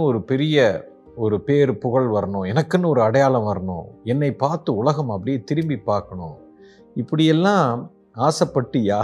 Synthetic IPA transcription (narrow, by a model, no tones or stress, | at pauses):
ɯɔɾɯpɛɾɪjɐ | ɔɾɯpeːɾpʊɣɐɭʋɐɾɐɳʊ̃ːɛnɐkːɯnːɯɔɾɯɐɽɐjaːlɐ̃mʋɐɾɐɳʊ̰̃ɛnːɐɪpːaːɾt̪ɯʊlɐɣɐmɐpːɐɽɪjeːt̪ɪɾɯmbipːaːɾkɐɳʊ̰̃ː | ɪpːɐɽɪjɛlːãː | aːsɐpːɐʈːɯjaː